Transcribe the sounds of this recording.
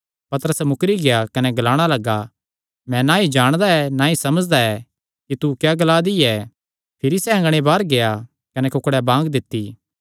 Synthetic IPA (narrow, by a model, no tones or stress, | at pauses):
pɐt̪əɾəsɛmʊkɾiɡejakɐnɛɡɐlaːɽ̃alɐɡa | mɛ̃nãid͡ʒaːɽ̃d̪aɛnaisɐməd͡ʒd̪aɛ | kit̪ukjaɡlad̪iɛ | pʰɪɾisɛɐ̃ŋɡɽ̃ebaːɾɡeja | kɐnɛkʊkɽɛbãːɡd̪ɪt̪ːiː